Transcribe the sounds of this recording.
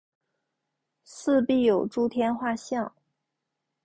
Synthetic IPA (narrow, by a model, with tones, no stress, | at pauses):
sɹ̩˥˧pi˥˩jo˨˩ʊʈ͡ʂu˥t̪ʰjɛ˥nxwa˥˧ɕjɑ˥˩ŋ